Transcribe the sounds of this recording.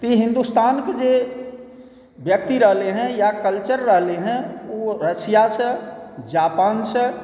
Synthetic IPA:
t̪iɦɪ̃nd̪ust̪aːnked͡ʒe | bjək̚t̪iɾəɦleɦɛ̃jakəlt͡ʃəɾːəɦleɦɛ̃oɾəsijasə̃d͡ʒaːpaːnsə̃

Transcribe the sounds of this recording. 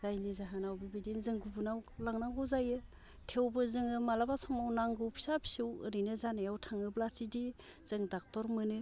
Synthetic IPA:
zajnizaɦanawbibidinzɯŋɡubunawlaŋnaŋɡɯzajɯ | tʰewbɯzɯŋɯmalabasɔŋawnaŋɡɯwpʰi̥sapʰi̥sewɯɾinɯzanɯjawtʰaŋɯblatʰidiz̥ɯŋdak̚tɔɾmɯnɯ

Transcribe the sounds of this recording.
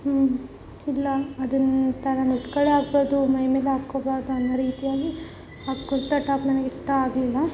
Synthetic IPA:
ilːɐːd̪ɐnt̪ɐnanuʈkɐɭeaːɡbaːɾd̪umɐjmeːleaːkːobaːɾd̪uɐnːɐɾiːt̪ijaːɡi | aːɡkuɾt̪ɐʈaːpnɐnɐɡeisʈɐaːɡlilːɐ

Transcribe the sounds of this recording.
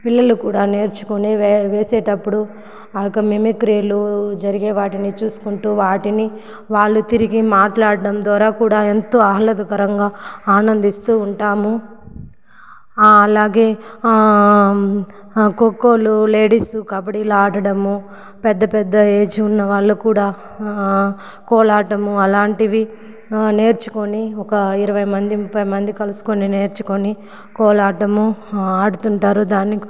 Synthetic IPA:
piɭːɐlukuːɽaːne̞ːɾt͡ʃu̥koniʋe̞ːseːʈɐpːuɽu | ɐkɐmimikɾiːlud͡ʒɐɾiɡeːʋaːʈinit͡ʃuːsu̥kuɳʈuːʋaːʈini | ʋaːɭːut̪iɾiɡimaːʈlaːɽɐɽɐmd̪aːɾaːkuːɽaːent̪o̞ːɐɦɐlɐd̪ɐkɐɾɐŋɡaːaːnɐnd̪ist̪uːɳʈaːmu | ɐlaːɡe̞ː | kokːo̞ːlule̞ːɽiːsukaːbɐʈilaːɽɐɽɐmu | pɛd̪ːɐpɛd̪ːɐeːd͡ʒuːnːɐʋaːɭːukuːɽaː | kɔːɭaːʈɐmuɐlaːɳʈiʋi | ne̞ːɾt͡ʃu̥koniɔkɐiɾɐʋɐjmɐnd̪imupʰːɐjmɐnd̪ikɐlusu̥konine̞ːɾt͡ʃu̥koni | kɔːɭaːʈɐmuaːɽut̪uɳʈaːɾud̪aːnːi

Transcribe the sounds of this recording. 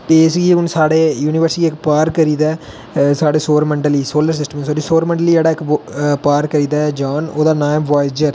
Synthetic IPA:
t̪eːɪsɡiːʊnsaːɽeːjuːniːʋəɾsʈiiɪkpaːɾkəɾiːd̪ɛː | saːɽeːsoːɾməɳɖəliːsoːləɾsɪsʈəmeːsaːɖiːsoːɾmə̃ɳɖəliːeːɽaːɪkpaːɾkəɾiːd̪aːd͡ʒãːnoːd̪aːnaːjmʋaːɪd͡ʒəɾ

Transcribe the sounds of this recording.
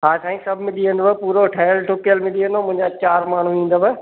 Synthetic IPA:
ɦaːsãːĩsɐbʱmẽɗiːə̃nd̪opuːɾoɦʈʰaːjəlʈokijəlmẽɗiːə̃nd̪omʊ̃ɦɪ̃ɲd͡ʑat͡ɕaːɾmaːɳ̤uĩːn̆d̪aːbə

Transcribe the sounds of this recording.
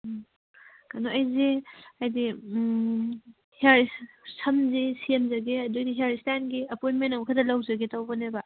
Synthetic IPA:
kanoɐjzeajdi | haɾissʰɐmzesiemzɐɡeɐdojdiɦiaɾistanɡiɐpojntmenɐwmkʰadɐlɐwzɐɡetɐwbɐneba

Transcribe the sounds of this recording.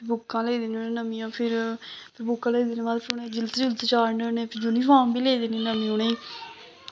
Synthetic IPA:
bʊkːãːleːd̪eːnonẽːnəmĩːãːpʰɪɾpʰɪɾbʊkːãːleːd̪eːnːbaːd̪pʰɪɾʊnẽːd͡ʒɪlt̪d͡ʒɪlt̪ːt͡ʃaːɳənẽːpʰɪɾd͡ʒoːnĩːpʰaːmbiːleːd̪eːniːnəmĩːoneː

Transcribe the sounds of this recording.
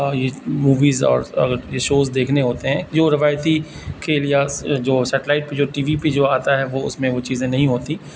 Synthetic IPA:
jemuːʋiːzɔ̰ːɾɐ̰ɡəɾjeʃoːzd̪eːkʰneɦoːt̪eɦɛ̃ːd͡ʒoːɾɪʋaːjt̪i | kʰeːljad͡ʒoːsɛːʈlaːɪʈ̚ped͡ʒoːʈiːʋiped͡ʒoːaːt̪aɦɛʋoʊ̰smẽʋot͡ʃiːzẽnɐɦĩɦoːt̪i

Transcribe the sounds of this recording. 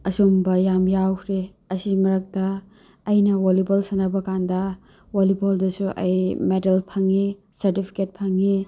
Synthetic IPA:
ɐsombɐjamjawkʰɾe | ɐsimɐɾɐk̚tɐː | jnɐwolibɐlsɐnɐbɐkandɐ | woliboldɐsuʔɐ̰jmedɐlpʰɐŋːisɐɾtipʰi̥ket̚pʰɐŋːi

